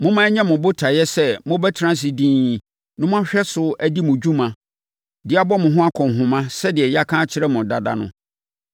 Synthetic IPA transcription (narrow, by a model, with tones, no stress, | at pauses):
mʊ̃˦mã˦ɲɛ̃˦mʊ̃˨bʊ˦tʰa˨jɛ˦sɛ˦mʊ̃˦bɛ˦tʰɪ˨ɾã˦s̬ɪ˨dĩː˦ | nʊ̃˦m̃˦ã˦ɕᶣɛ˦sʊ˦æ˦di˦mʊ̃˨d͡ʑᶣũ˦mã˨ | dɪ˨˦a˦bɔ˦mʊ̃˨ɦʊ̃˦a˦kʰɔ̃˨n˨ɦʊ̃˨mã˦sɛ˦dɪ˨ɛ˨ja˦kʰãː˦t͡ɕʰɪ˦ɾɛ˦mʊ̃˨da˨da̰˦˨nʊ̰̃˦